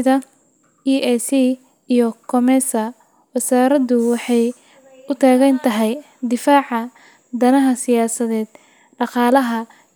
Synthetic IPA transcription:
ðɐ | iːɛsiː | ijɔkʰɔmɛsɐ | wɐsaːɾɐðʊwɑħɑj | ʊt̪ʰaːɣɐnt̪ʰɐɦɛj | d̪ɪfaːʕɑ | d̪ɐnɐɦɐsɪjaːsɐðɛːd̪̥ | ɖɑqɑːlɐɦɐ

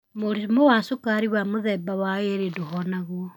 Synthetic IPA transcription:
moɾimowasokaɾiwamoðɛbawaeɾedohɔnaɣoɔ

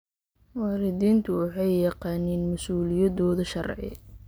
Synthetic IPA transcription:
wɑːɾɪd̪iːnt̪ʰʊwɑħɑjːɑqɑːnɛːnmɐsuːlɪjɐðɔːðɐʃɐrʕɪ̰

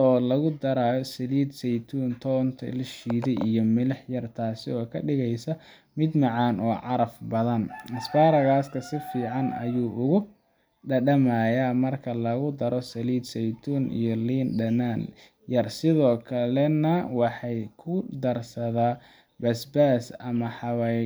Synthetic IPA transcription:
ɔːlɐɣʊd̪ɐɾaːjɔsɐliːd̪sɛjt̪ʰuːnt̪ʰɔːnt̪ʰɐ̰lʃiːðɛjijɔmɪlɐħjɐrt̪ʰaːsɪɔːkʰɐɖɪɣɛjsɐ | mɪd̪mɑʕɑːnʔɔːʕɑɾɐfbɐðɐnɐsbaːɾɐɣaːskʰɐsɪfiːʕɑnɐ̰juːʔʊɣʊ | ɖɐɖɐmɐjamɐrkʰɐlɐɣʊd̪ɐɾɔsɐliːd̪sɛjt̪ʰuːnʔḭjɔliːnɖɐnaːn | jɐrsɪðɔːkʰɐlɛnɐwɑħɑjkʰʊd̪ɐrsɐðaː | bɐsbaːsɐmɐħɑwa

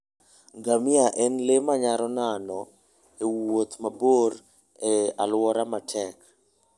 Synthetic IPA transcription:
ɡamɪaʔɛnlemaɲaɾɔnanɔ | ewot̪mabor | ɛa̰lwɔɾamatʰɛk

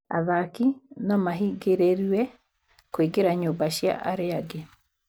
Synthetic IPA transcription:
a̰ðakinɔmaɦiɡeɾeɾiwɛ | koiɡeɾaɲobaʃja̰ʔaɾeaɡe

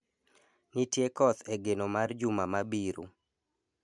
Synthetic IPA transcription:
nitjekɔt̪eɡenomard͡ʒumamabiɾṵ

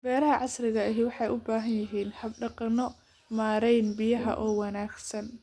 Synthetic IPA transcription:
bɛːɾɐɦɐʕɑsrɪɣɐɐɦɪwɑħɑjʔʊbaːɦɐnjɐɦiːnhɐb̚ɖɑqɑnɔ | maːɾɛjnbɪjɐɦɐ̰ʔɔːwɑnaːɡsɐn

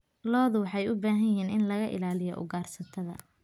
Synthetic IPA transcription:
lɔːðʊwɑħɑjʊbaːɦɐjɦiːnɪnlɐɣɐʔɪ̰laːlɪjɔ̰ʔʊ̰ɡaːrsɐt̪ʰɐðɐ̰

